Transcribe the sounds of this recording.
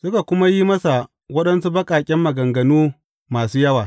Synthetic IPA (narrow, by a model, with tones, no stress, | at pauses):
sʊ˦ka˨kʷʊ˦ma˦ji˦mɐ˦sa˨ | wɐ˦ɗɐ˦nsu˦bɐ˦kʼaː˨kʲʼɛ˦mːɐ˨ɡɐ˨ŋɡɐ˨nuː˦ | maː˨suː˦jɐ˦waː˨